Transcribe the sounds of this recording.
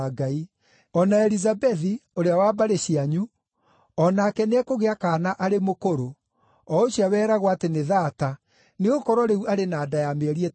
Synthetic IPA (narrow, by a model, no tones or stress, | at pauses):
ɡai | ɔnaɛɾizabɛðioɾeawaːbaɾeɕiaɲu | ɔnakɛneɛkoɣeakaːnaʔaɾemokoɾo | ɔoɕiawɛːɾaɣwateneðata | neɣokɔɾɔɾeuaɾenaːdajameɾie